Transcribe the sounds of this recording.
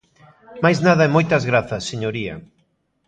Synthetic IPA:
majznaðɐemojt̪ɐzɣɾaθɐsːeɲoɾiɐ̰

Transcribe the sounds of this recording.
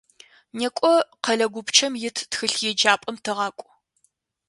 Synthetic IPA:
neːkʷʼɔqɐɮɐɡʷʊpt͡ʃʰɐmjɪtʰtxɨɬjɛd͡ʒaːpʼɐmtʰɨʁɑːkʷʼʊ

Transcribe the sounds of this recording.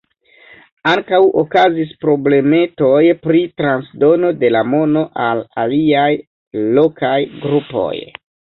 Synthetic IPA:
aŋkawʔo̞kazis̬pɾo̞ble̞me̞to̞jpɾitɾansdo̞no̞de̞lamo̞no̞ʔala̰liaj | lo̞kʰajɡɾupo̞̰j

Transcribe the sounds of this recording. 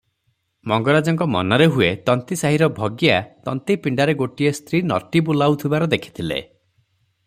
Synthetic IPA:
mɔŋɡɔɽad͡ʒɔŋk̬ɔmɔ̰nɔɾeɦuet̪ɔnt̪isaɦiɾɔbʱɔɡjat̪ɔnt̪ipiɳɖaɾeɡoʈiest̪ʰɾinɔ̰ʈibulawt̪ʰibaɾɔd̪ekʰi̥t̪ʰilḛ

